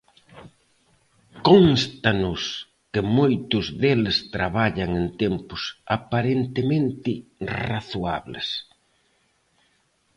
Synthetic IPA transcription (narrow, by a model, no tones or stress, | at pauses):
konst̪anʊs | kɪmojt̪ʊzðelɪst̪ɾaβaʎaŋent̪empʊsapaɾent̪ɪmẽnt̪ɪraθua̰βlɪ̰s